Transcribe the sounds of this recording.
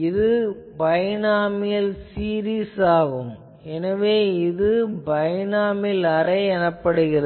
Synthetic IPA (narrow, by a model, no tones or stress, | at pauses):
ɪðɯbɐjɐnaːmɪjɐlsiːɾiːsaːɣɯm | ɛnɐʋeːɪðɯbɐjɐnaːmɪlɐrɐɪɛnɐpːɐɽɯɣɪrɐ